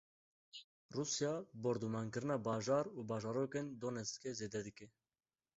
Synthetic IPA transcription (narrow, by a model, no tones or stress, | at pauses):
ruːsjɑːboɾd̪umɑːŋkɨɾɨnɑːbɑːʒɑːɾuːbɑːʒɑːɾoːkeːnd̪oːnɛst̪kɛzeːd̪ɛd̪ɨkɛ